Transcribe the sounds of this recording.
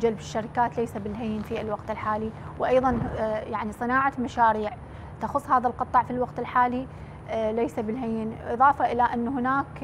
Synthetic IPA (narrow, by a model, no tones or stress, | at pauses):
d͡ʒalbɪʃːaɾɪkaːt̪lejsabɪlɦajːnfiɪlwɑqt̪ɪlħaːliwʔɑjðˤɑnjaʕnisˤɨnaːʕamaʃaːɾiːʕ | t̪axʊsˤːhaːðalqɑt̪ˤːɑʕfilwɑqt̪ɪlħaːli | lejsabɪlɦajɪnʔɨ̰ðˤɑːfaʔɪlaʔanːɦɪnaːk